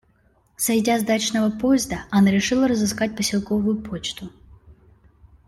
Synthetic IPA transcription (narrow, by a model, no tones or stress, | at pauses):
sɐjdʲazd̪at͡ʃnɐvɐpɔjɛzd̪ɐʔɐnɐɾʲɛʂɨlˠɐɾɐzɨskat̚ʲpəsʲilˠkɔvʊjʊpʰot͡ʃt̪ʊ